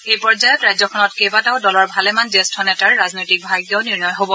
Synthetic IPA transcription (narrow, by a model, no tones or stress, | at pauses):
ejpɔɹd͡ʒajɔtɹajzɔkʰɔnɔtkejbataʊdɔlɔɹbʱalɛmanzestʰɔnɛtaɹːaznojtik̚bʱaɡjɔwniɹnɔjɦobɔ